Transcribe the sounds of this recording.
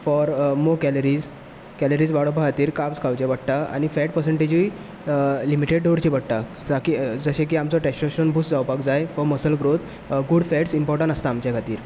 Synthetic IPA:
fɔɾmokɛləɾiːd͡z | kɛləɾiːd͡zʋaɽobʱaɦat̪iːɾkapskʰawt͡ɕeʋəɽʈ̪aa̰ñifɛʈ̚pəɾsəɳʈed͡ʑi | limiʈeɖɖoɽt͡ɕiʋəɽʈ̪a | d͡zakid͡zəɕẽk̬iːamt͡sɔʈɛsʈɾeɕənbʱusd͡zawpakd͡zajfɔməsəlɡɾot̪ | ɡuɽfɛʈsimpɔɾʈə̃ɳəst̪aːmt͡ɕjakʰat̪iːɾ

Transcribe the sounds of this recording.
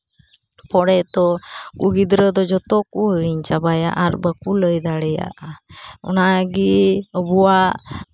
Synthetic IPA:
pɔɽɛt̪ɔkuɡid̪ɾəd̪ɔd͡ʒɔt̪ɔk̚uəɽiɲt͡ʃabaja̰ʔaɾbakuləjd̪aɽɛja̰ʔɔ̰naɡiəbuaʔ

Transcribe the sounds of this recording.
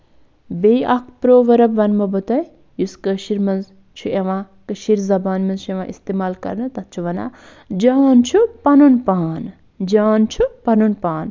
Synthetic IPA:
bejʔɐkʰpɾoːʋɐɾɐbʋɐnmɐbɐt̪ɐj | juskəʃiɾmɐnz | t͡ʃʰueʋãː | kɨʃiɾzɐbaːnmɐnzt͡ʃʰueʋã̰ːʔist̪eːmaːlkɐ̰ɾnɐt̪ɐt̪̚t͡ʃʰuʋɐna̰ː | d͡ʒaːnt͡ʃʰupɐnunpaːn | d͡ʒaːnt͡ʃʰupɐnunpaːn

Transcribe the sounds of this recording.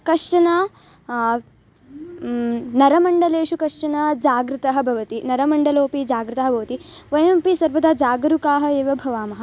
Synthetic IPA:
kɐʂʈɐnɐ | nɐɾɐmɐɳɖɐleːʃukɐʂʈɐnɐd͡ʒaːɡɾɨt̪ɐɦɐbʱɐʋɐt̪inɐɾɐmɐɳɖɐloːpid͡ʒaːɡɾɨt̪ɐɦɐ̆bʱɐʋɐt̪i | ʋɐjɐmɐmpisɐɾʋɐd̪aːd͡ʒaːɡɐɾukaːɦɐ̆eːʋɐbʱɐʋaːmɐɦɐ

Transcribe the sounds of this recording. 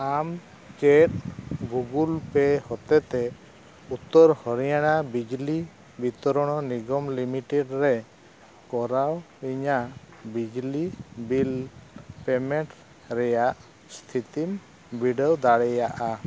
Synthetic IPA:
am | keʈ̚ɡuɡulpɛhɔt̪ɛt̪ɛ | ut̪ːɔɾhɔɾijaɽabid͡ʒli | bit̪ɔɾɔɽ̃ɔniɡɔmlimiʈɛɖɾɛ | kɔɾaw | iɲa | bid͡ʒlibilpɛmɛʈ | ɾɛjaʔ | st̪ʰit̪im | biɖewd̪aɽɛjaʔa

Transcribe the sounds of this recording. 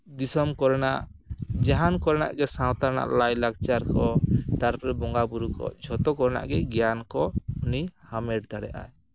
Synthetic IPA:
d̪isɔmkɔɾnaʔd͡ʒaɦankɔɾna̰ʔɡɛsãwt̪aɾna̰ʔlajlakt͡ʃaɾkɔt̪aɾɾɛbɔŋɡabuɾukɔ̰d͡ʒʱɔt̪ɔkɔɾna̰ʔɡɛɡɛjankɔunihamɛɖd̪aɽɛʔa̰j

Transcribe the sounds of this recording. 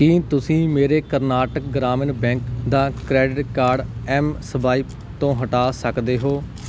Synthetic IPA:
kiːt̪ʊsĩːmeːɾeːkəɾnaːʈək̚ɡɾaːmənbɛ̃ːŋkd̪aːkɾɛːɖɪʈkaːɾɖɛːmsəbaːiːp | t̪õːɦəʈaːsəkd̪eːɦoː

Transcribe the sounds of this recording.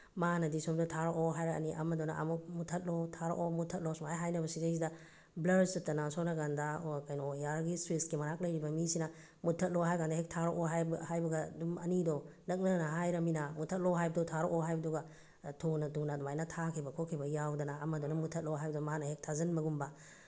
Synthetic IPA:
manɐdisɔmdɔtʰaɾɔʔoɦajɾɐɐ̰niʔɐ̰mɐdɔnaʔɐ̰muk̚mutʰɐt̚lotʰaɾo̰ʔomutʰɐt̚losmaajɦajnɐbɐsizajsidɐ | blɐdsip̚tɐnasawnaɡandɐkajnojaɾɡistɾiskimɐɾak̚lɐjɾibɐmisinɐ | mutʰːɐt̚loɦajkandaɦek̚tʰaɾɔʔoɦabhajbɐɡɐdumɐnidɔnɐk̚nɐnɐɦajɾɐminamutʰɐt̚lɔwɦajbɐdɔtʰaɾoʔoɦajbɐduɡɐ | tʰunɐtunɐdmajnɐtʰakʰibɐkʰokʰibɐjawdɐnaːmɐdɔnɐmutʰɐt̚loɦajbɐdmaɦanɐhek̚tʰazɐnmɐɡumbɐ

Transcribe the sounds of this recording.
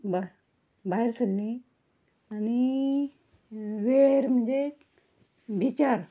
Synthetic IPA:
b | baɦiɾsəlːĩ | añi | ʋeɾm̤ənd͡ze | bit͡ɕaɾ

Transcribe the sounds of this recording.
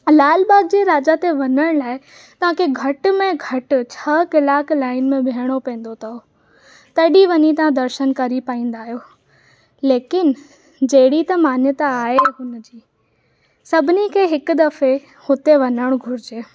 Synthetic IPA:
laːlbaːɡ̚d͡ʑeːɾaːd͡ʑat̪eʋɐɲəɽ̃laːɪ | t̪ɐʋ̤ãkʰeɡʱɐʈ̆mẽɡʱɐʈt͡ɕʰɐkɪlaːkʰlaːɪnmẽbʱiɦəɽ̃opɛ̃ːn̆d̪ot̪ʰɐo | t̪ɐɗiʋɐɲit̪ɐʋ̤ãd̪ɐɾʃənkɐɾipaːĩːn̆d̪aːɦijoː | leːkɪn | d͡ʑɐɦɪɽit̪ɐmaːnjət̪aaːɦeɦʊnd͡ʑiː | sɐbʱɪnikʰeɦɪkʊ̆d̪ɐfe | hʊt̪eʋɐnəɽ̃ɡʱʊɾɪd͡ʑeː

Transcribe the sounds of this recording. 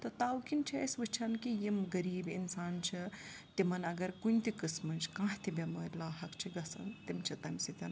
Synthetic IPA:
t̪ɔt̪awkint͡ʃʰiɐsʋɨt͡ʃʰɐnkijimɡɐɾiːbḭnsaːnt͡ʃʰi | t̪imɐnɐɡɐɾkunʲt̪ikɨsmɐnt͡ʃʰi̥kãːɦt̪ibemɐɾʲlaːɦɐkt͡ʃʰiɡɐsɐ̰nt̪imt͡ʃʰit̪ɐmsit̪ʲɐn

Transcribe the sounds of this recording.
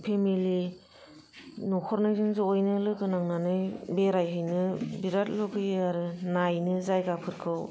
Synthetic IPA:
pʰemili | nɔkʰɔɾnɯjzɯŋzɯojnɯlɯɡɯnaŋnanɯjbeɾajɦɯjnɯbiɾat̚lɔɡʰɯjaɾɯnajnɯzajɡapʰɯɾkʰɯw

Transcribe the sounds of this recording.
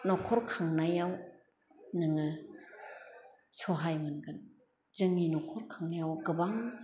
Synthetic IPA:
nɔkʰɔɾkʰaŋnajaw | nɯŋɯ | sɔɦajmɯnɡɯn | zɯŋinɔkʰɔɾkʰaŋnajawɡɯbaŋ

